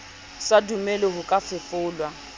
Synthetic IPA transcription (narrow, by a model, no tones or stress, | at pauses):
sadumɛlɪhʊkʼafɪfʊːlwa